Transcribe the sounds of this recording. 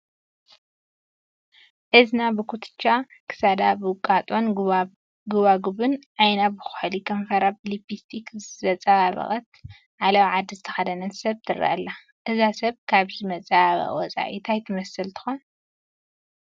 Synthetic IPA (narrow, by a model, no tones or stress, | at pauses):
ʔɨznabɨkʰut̪ʰɨ̥t͡ʃːakʰɨ̥sad̪abɨkʼat̪ʼon | ɡɨβaɡuβɨnʔajnabɨxʊ̥ħlikʰɐɱfɐɾaplipːist̪ʰikzzɐt͡sʼaβaβɐ̰χʼɐt̪ | ʕalawʕad̪ːizɨt̪ʰɐ̥xɐd̪ɐnɐsɐβt̪ʰɨɾɐ̰ʔɐ̰lːa | ʔɨzasɐβkʰaβzɨmɐt͡sʼaβaβɐ̰wɔt͡sʼa̰ʔḭt̪ʰajt̪ʰɨmɐsɨlt̪ʰɨ̥xon